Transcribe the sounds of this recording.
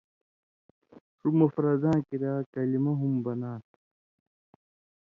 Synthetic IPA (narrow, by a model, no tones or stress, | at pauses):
ʂumɐfɾɐzãːkiɾaːkɐlimɐɦumbɐnaː